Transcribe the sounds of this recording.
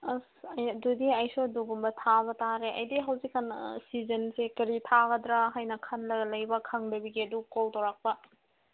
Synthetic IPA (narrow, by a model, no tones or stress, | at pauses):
sɐjɐdudiɐjsoduɡumbɐtʰaβɐtaɾeɐjdiɦɐwzikːɐnsizɐnsekɐɾitʰaɡɐdɾaɦajnɐkʰɐnlɐɡɐlɐjbɐkʰɐŋdɐbiɡiɐdukoltɐwɾak̚pɐ